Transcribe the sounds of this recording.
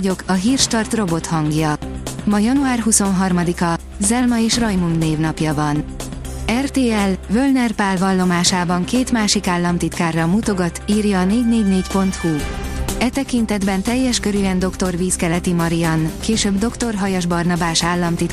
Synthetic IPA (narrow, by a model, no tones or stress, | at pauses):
ɟo̞kɒɦiːrʃt̪ɒrt̪ro̞bo̞t̪hɒŋɡjɒmɒjɒnuaːrɦuso̞nɦɒrmɒd̪ikɒ | zɛlmɒeːʃrɒjmund̪neːvnɒpjɒvɒn | ɛrt̪eːɛlvølnɛrpaːlvɒlːo̞maːʃaːbɒŋkeːt̪maːʃikaːlːɒmt̪it̪kaːrːɒmuːt̪o̞ɡɒt̪iːrjɒːneːɟneːɟneːcpo̞nt̪huɛt̪ɛkint̪ɛd̪bɛnt̪ɛjːɛʃkøɾyːɛnd̪o̞kt̪o̞rviːskɛlɛt̪imɒɾijɒnkeːʃøːbd̪o̞kt̪o̞rɦɒjɒʒbɒrnɒbaːʃaːlːɒmt̪it̪